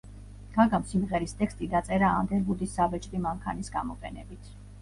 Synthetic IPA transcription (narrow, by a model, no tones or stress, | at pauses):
ɡ̥aɡamsimʁɛɾist̪ʼɛkst̪ʼid̪at̪sʼɛɾaa̰nd̪ɛɾbud̪isːabɛt͡ʃʼɾimaŋkʰanisɡamɔqʼɛnɛbit̪ʰ